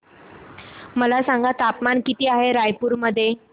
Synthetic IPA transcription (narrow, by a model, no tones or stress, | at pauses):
məlasãŋɡat̪apmankit̪iːaɦeɾajpuɾməd̪ʱːje